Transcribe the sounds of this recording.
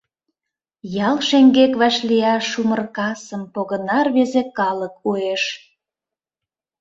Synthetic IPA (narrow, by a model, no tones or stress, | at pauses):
jɑlˠʃeŋɡekβɑʃliɑʃumərkɑsəmpoɣənɑrβezekɑlək̚ueʃ